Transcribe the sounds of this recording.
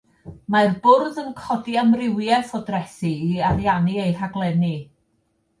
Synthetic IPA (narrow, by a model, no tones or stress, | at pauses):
marbʊrðənkʰɔdiamrɪwjɛθɔdrɛsiːarjaniejr̥aɡlˠɛni